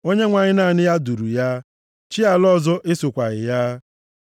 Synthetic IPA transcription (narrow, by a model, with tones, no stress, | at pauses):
o˦ɲe˦ŋʷa˨ɲɪ˦na˦˨nɪ˦ja˦du˨ɾu˨ja˦ | t͡ʃi˦a˨lɔ˦zɔ˦ʔe˦sʊ˨kʷa˨ɣɪ̰˨ja˦